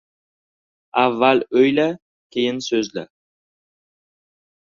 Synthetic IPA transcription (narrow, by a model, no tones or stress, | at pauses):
avːalɵjla | kʲʰejɪnsɵzla̰